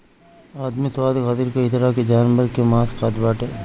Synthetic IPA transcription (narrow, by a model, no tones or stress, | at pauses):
aːd̪mit̪ʋaːd̪kaːd̪iɾkeɪt̪ɪɾaked͡ʒaːnbəɾkemaːskaːd̪baːʈe